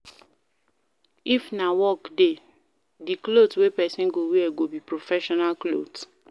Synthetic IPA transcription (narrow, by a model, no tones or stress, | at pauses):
ifnawɔkde | diklodwepɛsĩnɡowiɛɡobipɹofɛʃɔnalklo̰d